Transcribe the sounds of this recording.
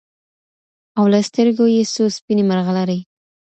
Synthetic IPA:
awlast̪əɾɡojesospinemaɾɣalaɾəj

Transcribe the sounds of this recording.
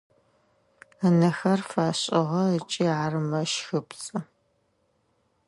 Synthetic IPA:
ənɐxɐrfaːɕʼɪʁɐət͡ʃʼiːarɨmɐʃxɨpt͡sʼɨ

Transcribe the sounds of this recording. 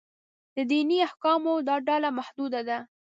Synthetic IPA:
d̪̥əd̪iniahkɑmod̪ɑɖɑlamahd̪ud̪ad̪a

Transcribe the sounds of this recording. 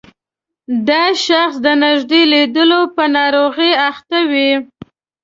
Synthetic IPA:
d̪ɑʃaxsd̪ənɪʒd̪eled̪əlopənɑɾoɣeaxt̪awi

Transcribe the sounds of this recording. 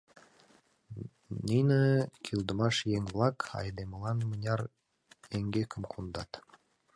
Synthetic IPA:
nʲinĕkʰild̪ə̆mɑʃjeŋβlˠɑkɑ̰jd̪emə̆lˠɑnmənʲɑɾ | eŋɡekə̆mkʰund̪ɑt̪

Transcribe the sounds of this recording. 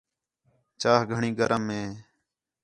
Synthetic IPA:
t͡ʃaːɦɡʱəɳĩːɡəɾəmːẽː

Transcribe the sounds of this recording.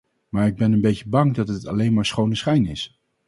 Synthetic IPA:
maːɹɪɡ̚bɛnənbejcəbɑŋdɑtɦətɑ̰lejnmaːɹsχownəsχɛjnɪs

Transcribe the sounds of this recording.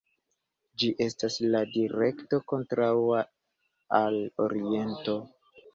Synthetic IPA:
d͡ʒiʔe̞stasladiɾe̞kto̞ko̞ntɾawa | alo̞̰ɾie̞nto̞

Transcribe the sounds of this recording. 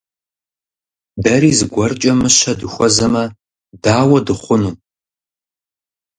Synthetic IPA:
bɐɾiːzɨɡʷɔrt͡ʃʼɐmɨʃɐdɨxʷɔzɐmɐ | daːwɐdɨχʷʊnuː

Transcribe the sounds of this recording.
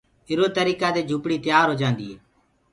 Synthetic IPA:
ɪɾoːt̪əɾiːkad̪eːd͡ʒʱʊpɽiːt̪jaːɾɦoːd͡ʒãːnd̪iːɦeː

